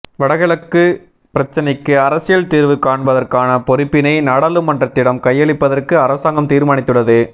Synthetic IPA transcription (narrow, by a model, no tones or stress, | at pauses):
ʋɐɽɐɣɐɭɐkːɯ | pɪɾɐt͡ʃːɐnɐɪkːɯɐɾɐsɪjɐlt̪iːɾʋɯkaːɳbɐðɐrkaːnɐpɔɾɪpːɪnɐɪnaːɽɐːlɯmːɐndrɐt̪ːɪɽɐmkɐjːɐɭɪpːɐðɐrkɯɐɾɐsaːŋɡɐmt̪iːɾmaːɳɪt̪ːɯɽɐðɯ